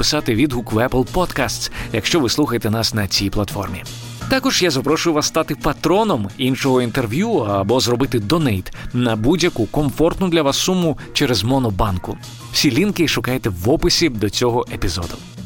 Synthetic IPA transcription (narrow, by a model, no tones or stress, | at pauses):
pɪ̥sɑt̪ɪʋʲid̪ɦukʋɛplˠpɔt̪kast̪sjɐkʃt͡ʃɔʋɪslˠuxɐjet̪ɛnɑsnɐt͡sʲijplˠɐt̪fɔrmʲi | t̪ɑkɔʒjazɐpɾɔʃʊjʊʋasːt̪ɑt̪ɪpɐt̪ɾɔnɔminʃɔɦɔint̪erʋʲjuɐbɔzɾɔbɪt̪ɪd̪ɔnɛjt̪nɐbudʲjɐkukɔmfɔrt̪nʊd̪lʲɐʋasːumʊ | t͡ʃɛɾezmɔnɔbɑnkʊ | wsʲilʲinkɪʃʊkajet̪ɛʋɔpɪsʲib̚d̪ɔt͡sʲɔɦɔʔepʲizɔ̰d̪ʊ